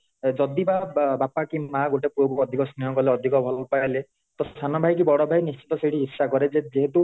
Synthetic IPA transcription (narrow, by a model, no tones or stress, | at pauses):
d͡ʒɔd̪ibabapakimaɡoʈepuobuɔd̪ʱikɔsnijɔkɔleɔd̪ʱikɔbʱɔlpajle | t̪ɔst̪ʰanɔbʱajk̬ibɔɽɔbʱajnist͡ʃi̥t̪ɔseɽiɦisːakɔɾed͡ʒed͡ʒeɦet̪u